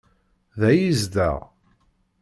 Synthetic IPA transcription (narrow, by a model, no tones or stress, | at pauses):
ðæjizd̪æ̰ʁ